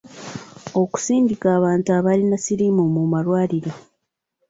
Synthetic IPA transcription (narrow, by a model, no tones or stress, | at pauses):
o̞ku̥siːɲɟikaːβaːntuaβalinasiɾimumumalwaːɾiɾo